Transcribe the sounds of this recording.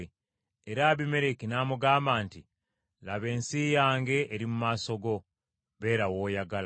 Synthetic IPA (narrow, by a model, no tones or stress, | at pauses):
eɾaːβime̞ɾe̞kinaːmuɡaːmbaːnti | laβe̞ːnsijaːŋɡe̞ʔːɾimumaso̞ɡo̞ | βe̞ːɾawoːjaɡal